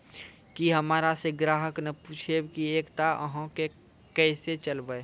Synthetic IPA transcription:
kiɦəmaːɾaseɡɾaːɦəknɐpuːt͡ʃʰebkieːkt̪aʔə̰ɦõke | kɛːset͡ʃəlbəe

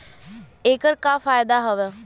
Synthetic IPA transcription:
eːkəɾkaːfaːjd̪aɦɐʋe

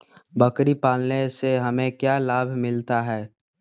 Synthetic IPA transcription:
bɐkɾipaːlneseɦɐmẽkjaːlaːbʱmɪlt̪aɦɛː

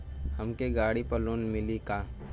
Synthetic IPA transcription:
hɐmkeɡaːɽipəloːnmɪlikaː

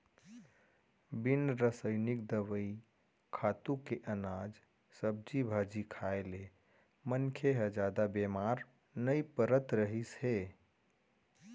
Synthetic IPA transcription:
binɾəsəɪnik̚d̪əʋəi | kʰat̪ukeʔənad͡ʒ | səb̚d͡ʒibʱad͡ʒikʰaele | mənkʰeɦəd͡ʒad̪abemaɾ | nəjpəɾət̪ɾəɦisɦe

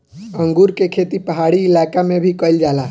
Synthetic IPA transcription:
ə̃ŋɡuːɾkekʰeːt̪ipəɦaːɽiɪlaːkamẽbʱikəld͡ʒaːlaː

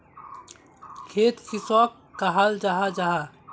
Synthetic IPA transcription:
kʰeːt̪kisɔːkːaɦald͡ʒaɦad͡ʒaɦa

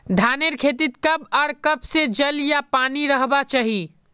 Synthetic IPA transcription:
d̪ʱaneɾkʰet̪̬it̪kəbɔːɾkəpsed͡ʒəljapaniɾəɦbat͡ʃaɦi

